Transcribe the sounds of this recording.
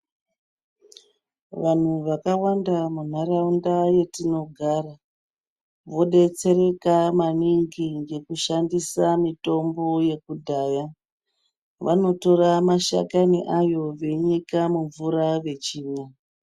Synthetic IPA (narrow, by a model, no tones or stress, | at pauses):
ʋan̤uʋakawandamun̤araundaje̞tino̞ɡʱaːra | ʋo̞ɗe̞t͡se̞ɾe̞kamaniŋɡiŋɡe̞kuʃandisamito̞mbo̞je̞kudʱaːja | ʋano̞to̞ramaʃa̰kaniʔajo̞ʋe̞ɲikamuɱvuɾaʋe̞t͡ʃiːɲa